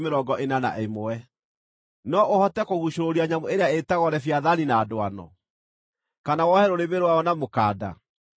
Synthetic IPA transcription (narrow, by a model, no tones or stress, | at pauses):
meɾɔɡɔʔenana̰ʔemoɛ | nɔʔohɔtɛkoɣuɕoɾoɾiaɲamoeɾeaetaɣɔɾɛfjaðaninaːdoanɔ̰ | kanawɔhɛɾoɾeβeɾowaɔnamokaːda̰